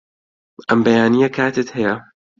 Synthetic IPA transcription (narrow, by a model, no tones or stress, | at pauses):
ʔɐmbɐjaːnijɐkʰaːt̪ʰet̪hɐjɐ